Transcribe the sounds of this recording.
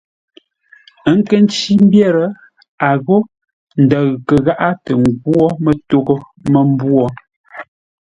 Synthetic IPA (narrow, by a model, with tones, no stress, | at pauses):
ə˦ŋ̩˦kə˦n˦t͡ʃi˦m˦bjɛ˦˨ɾə˨ | a˨ɣo˦ | n̩˨da˨ɣkə˨ɣa˦ʔa˦tə˨ŋ˨ɡwɔ˦mə˦to˦ɡo˦ | mə˦m˦bwɔ˦